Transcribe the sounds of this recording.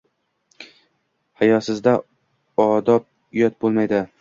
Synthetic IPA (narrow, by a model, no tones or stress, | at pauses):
hajɒsɪzd̪a | ɒd̪ɒp̚ | jɒt̪̚bolˠmajd̪ɪ